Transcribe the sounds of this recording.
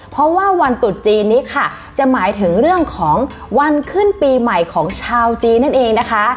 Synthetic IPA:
pʰɾɔ˦˥waː˥˩wa˧nt̪u˨˩t̪̚t͡ɕiː˧nːiː˦˥kʰa˥˩ | t͡ɕa˨˩maː˩˦jt̪ʰɯ˩˦ŋɾɯ˥˩əŋkʰɔː˩˦ŋ | wa˧nkʰɯ˥˩npiː˧ma˨˩jkʰɔː˩˦ŋt͡ɕʰaː˧wt͡ɕiː˧nːa˥˩nʔeː˧ŋna˦˥kʰa˦˥

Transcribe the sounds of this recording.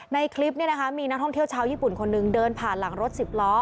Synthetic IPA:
na˧jkʰli˦˥p̚ni˥˩na˦˥kʰa˦˥miː˧na˦˥t̪ʰɔ˥˩ŋt̪ʰt͡ɕʰaː˦˥wjiː˥˩pu˨˩nkʰo˧nːɯ˧ŋdɤː˧npʰaː˨˩nla˩˦ŋɾo˦˥t̪̚si˨˩p̚lɔː˦˥

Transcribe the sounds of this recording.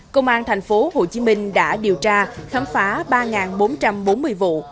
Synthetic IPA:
kə˧wŋ͡mʔaː˧nt̪ʰa˨˩jŋ̟fo˨˦ho˨˩t͡ɕi˨˦mï˧ŋ̟ɗa̰ː˧˥ɗi˨˩əwt͡ɕaː˧xaː˨˦mfaː˨˦ɓaː˧ŋaː˨˩nɓo˨˦nt͡ɕa˧mɓo˨˦nmɨ˧əjvṵ˧˨

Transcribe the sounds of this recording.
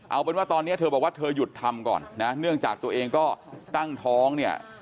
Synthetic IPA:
ʔa˧wpe˧nwaː˥˩t̪ɔː˧nːi˦˥ɐt̪ʰɤː˧bɔː˨˩k̚waː˥˩t̪ʰɤː˧ju˨˩t̪ʰːa˧mkɔ̰ː˨˩nːna˦˥nɯ˥˩əŋt͡ɕaː˨˩k̚t̪u˧əʔeː˧ŋkɔː˥˩t̪a˥˩ŋt̪ʰɔː˦˥ŋni˥˩ɐ

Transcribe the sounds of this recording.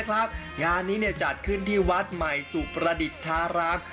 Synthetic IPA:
kʰa˦˥p̚ | ŋaː˧nːiː˦˥ni˥˩ɐt͡ɕa˨˩t̪̚kʰɯ˥˩nt̪ʰiː˥˩wa˦˥t̪̚ma˨˩jsuː˨˩pɾa˧di˨˩t̪ʰːaː˦˥ɾaː˦˥m

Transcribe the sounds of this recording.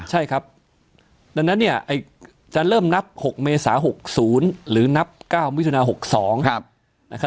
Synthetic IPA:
t͡ɕʰa˥˩jkʰa˦˥p̚ | da˧ŋna˦˥nːi˥˩əʔa˧˩j | t͡ɕaː˧nɾɤː˥˩mna˦˥p̚ho˨˩k̚meː˧saː˩˦ɦo˨˩k̚suː˩˦nɾɯː˩˦na˦˥p̚kaː˥˩wm˦˥t̪ʰːnaː˧ɦo˨˩k̚sɔː˩˦ŋ̚˧ | a˧˩kʰa˦˥

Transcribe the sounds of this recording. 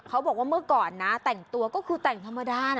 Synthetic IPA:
kʰa˦˥wbɔː˨˩k̚waː˧˥˩mɯ˥˩ɐkɔː˨˩nːa˦˥t̪ɛ˨˩ŋt̪u˧ɐkɔː˥˩kʰɯː˧t̪ɛ˨˩ŋt̪ʰa˧mːa˧daː˧˩n˧˩

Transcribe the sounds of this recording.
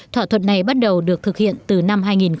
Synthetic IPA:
t̪ʰwaː˧t̪ʰə̰˧˨nːa˨˩jɓa˦˥t̚ɗə˨˩wɗɨ˨˩ək̚t̪ʰɨ˨˩k̚hḭ˧˨ənt̪ɨ˨˩na˧mɦaː˧jŋi˨˩nx

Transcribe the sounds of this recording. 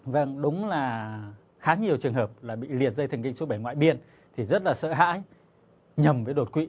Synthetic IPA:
və˧˩ŋɗʊ˨˦wŋ͡mlaː˨˩ | xaː˨˦ɲi˨˩əwt͡ɕɨ˨˩əŋɦəː˨˩p̚laː˨˩ɓḭ˧˨li˨˩ət̚zə˧jt̪ʰə˨˩ŋkï˧˨ŋso˨˦ɓə˧˩jŋwa̰ː˧˨jɓi˧ən | t̪ʰi˨˩zə˦˥t̚laː˨˩sə̰ː˧˨ɦa̰ː˧˥j | ɲə˨˩mvəː˨˦jɗo˨˩t̚kwḭ˧˨

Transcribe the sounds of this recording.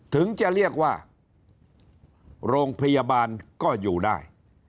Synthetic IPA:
t̪ʰɯ˩˦ŋt͡ɕa˨˩ɾi˥˩ək̚waː˥˩ | ɾoː˧ŋpʰa˧jaː˧baː˧nkɔː˥˩juː˨˩daː˥˩j

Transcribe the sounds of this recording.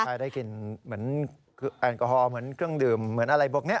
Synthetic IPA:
aː˧˩jdaː˥˩jki˨˩nmɯ˩˦ən | kʰʔa˨˩nkɔ˧˩hɔː˧mɯ˩˦ənkʰɾɯ˥˩əŋdɯː˨˩mːɯ˩˦ənʔa˧ɾa˧jboː˧˩k̚ni˦˥ɐ˩

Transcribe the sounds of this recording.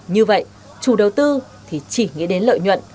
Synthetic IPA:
ɲɨ˧və̰˧˨jʔ | t͡ɕu˧˩ɗə˨˩wt̪ɨ˧ | t̪ʰi˨˩t͡ɕi˧˩ŋḭ˧˥əɗe˨˦nlə̰ː˧˨jɲwə̰˧˨nʔ

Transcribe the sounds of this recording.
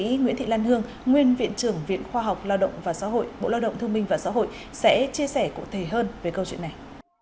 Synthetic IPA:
ḭ˧˥ŋwḭ˧˥nt̪ʰḭ˧˨laː˧nt̪ɨ˧əŋ | ŋwi˧ənvḭ˧˨ənt͡ɕɨ˨˧˩əŋvḭ˧˨ənxwaː˧ɦa˨˩wk͡p̚laː˧wɗə̰˧˨wŋ͡mvaː˨˩sa̰ː˧˥ɦo̰˧˨jɓo̰˧˨laː˧wɗə̰˧˨ŋ͡mt̪ɨ˧əmɓï˧ŋ̟vaː˨˩sa̰˧˥ɦo̰˧˨j | sɛ̰˧˥t͡ɕi˧əsɛ˧˩kṵ˧˨t̪ʰe˧˩ɦəː˧nve˨˩kə˧wt͡ɕwḭ˧˨nːa˨˩j

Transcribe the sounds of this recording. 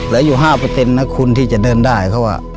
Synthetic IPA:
lɯ˨˦juː˨˩ɦaː˥˩pa˧t̪e˧nːa˦˧˥kʰu˧nt̪ʰiː˥˩t͡ɕa˨˩ʔdɤː˧ndaː˥˩jkʰa˧˩wa̰˧˩

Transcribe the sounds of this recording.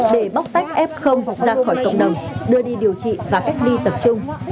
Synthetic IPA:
ɗe˧˩ɓa˦˥wk͡p̚t̪a˦˥jk̟̚ʔɛ˦˥p̚xə˧wŋ͡mzaː˧xɔ˧˩jkə̰˧˨ŋ͡mɗə˨˩wŋ͡mɗɨ˧əɗi˧ɗi˨˩əwt͡ɕḭ˧˨vaː˨˩ka˦˥jk̟̚ɗi˧t̪ə˨˩p̚t͡ɕʊ˧ŋ͡m

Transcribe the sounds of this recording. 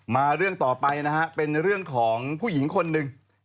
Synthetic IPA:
maː˧ɾɯ˥˩əŋt̪ɔː˨˩pa˧jna˦˥ha˦˥ʔpe˧nɾɯ˥˩əŋkʰɔː˩˦ŋpʰuː˥˩ji˩˦ŋkʰo˧nːɯ˧ŋ

